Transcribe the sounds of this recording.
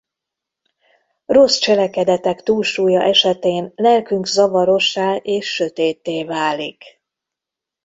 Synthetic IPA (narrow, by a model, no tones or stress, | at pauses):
ro̞st͡ʃɛlɛkɛd̪ɛt̪ɛkt̪uːlʃuːjɒʔɛʃɛt̪eːnlɛlkyŋɡkzɒvɒɾo̞ʃːaːʔeːʃːø̞t̪eːt̪ːeːvaːlik